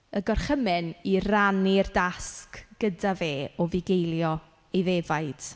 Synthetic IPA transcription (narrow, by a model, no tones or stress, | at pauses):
əɡɔrχəmɪniranirdaskɡ̥ədaveːɔvɪɡejlˠjɔ | ejvevajd̥